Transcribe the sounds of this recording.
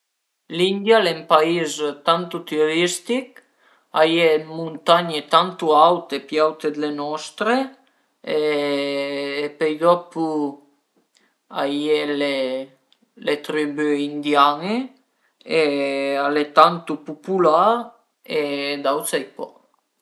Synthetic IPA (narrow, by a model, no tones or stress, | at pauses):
lind̪jalempaizt̪ant̪ut̪ioɾist̪ik | ajemunt̪aɲet̪ant̪uawt̪epjawt̪ed̪lenɔst̪ɾe | e | pejd̪ɔpu | ajele | let̪ɾibyind̪jane | ealet̪ant̪upupula | ed̪aw̪sajpɔ̰